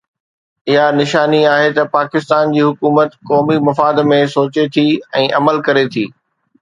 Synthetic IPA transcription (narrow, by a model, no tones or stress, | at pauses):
ɪɦanɪʃaːniaːɦet̪ɐpaːkɪst̪aːnd͡ʑiːɦʊkuːmət̪kɔːmimɐfaːd̪mẽsoːt͡ɕet̪ʰiːɛ̃ːʔɐməlkɐɾet̪ʰḭː